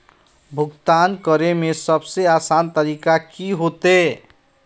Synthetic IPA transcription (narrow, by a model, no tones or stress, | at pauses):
bʱuɡt̪ankʌɾemesʌbseasant̪əɾikakiɦot̪e